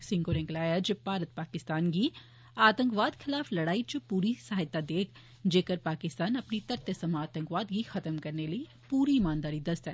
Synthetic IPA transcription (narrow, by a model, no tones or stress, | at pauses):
sɪ̃ŋkoɾɛ̃ːŋɡlaːjad͡ʒəpaːɾət̪̚paːkɪst̪aːnɡi | aːt̪ə̃ŋkʋaːd̪kʰɪlaːflɐɽaːit͡ʃpuːɾisaɦɪt̪ːad̪eːkʰ | d͡ʒeːkəɾpaːkɪst̪aːnɐpnit̪ɐɾt̪jəsɐmaːt̪ə̃ŋkʋaːd̪ɡixɐt̪əmkɐɾneləi | puːɾimaːnd̪aːɾid̪ɐst̪ɦɛ̰ː